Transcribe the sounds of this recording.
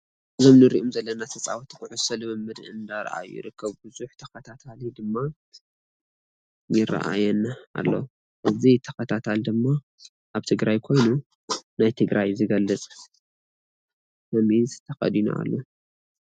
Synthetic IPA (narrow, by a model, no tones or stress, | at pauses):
ʔɨzomnɨɾiʔomzɐlːɐnat̪ʰɐt͡sʼawɐt̪ʰkʰɨʕusɐlɨmɨmːɨd̪ʔɨnd̪aɾ̰ʔa̰jṵjḭɾɨkʰːɐβbɨzuħt̪ʰɐkɐt̪ʰat̪ʰalid̪ɨmːa | jɪɾa̰ʔa̰jɛnːaʔːlːo̰ | ʔɨzit̪ʰɐkɐt̪ʰat̪ʰald̪ɨmːa | ʔaβt̪ʰɨɡɾajkʰo̞jnu | najt̪ʰɨɡɾajzɨɡɐlːɨt͡sʼ | mɐmint̪t̪ʰɐxɐ̰d̪ina̰a̰lːo